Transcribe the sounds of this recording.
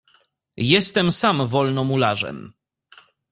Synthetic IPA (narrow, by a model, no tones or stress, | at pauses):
jɛst̪ɛmsamvɔlnɔmulaʐɛ̰m